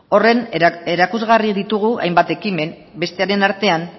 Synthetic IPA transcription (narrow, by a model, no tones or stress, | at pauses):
o̞re̞ne̞ɾakuzɣariðit̪uɣ̞ua̰jmbat̪e̞kime̞n | be̞st̪e̞aɾe̞naɾt̪e̞an